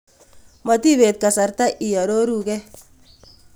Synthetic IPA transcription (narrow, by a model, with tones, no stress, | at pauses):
ma˨t̪i˦βe˨t̪̚ka˨sa˨rt̪a˦ʔi˨ja˨ɾo˦ɾu˦˨kɛ˦